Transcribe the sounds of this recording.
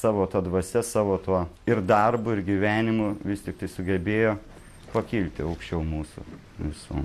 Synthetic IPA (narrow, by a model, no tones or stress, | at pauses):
sɑːʋoːt̪ɐd̪ʋɐsʲɛsɑːʋoːt̪uɔɪɾd̪ɐrbʊɪɾɡʲiʋʲæːnʲɪmʊʋʲɪsʲt̪ʲɪk̚t̪ɐɪsʊɡʲɛbʲeːjoː | pɐkʲiːlʲt̪ʲɪɐʊkʃʲt͡ʃʲɛʊmuːsʊ̰ | ʋʲɪsṵːm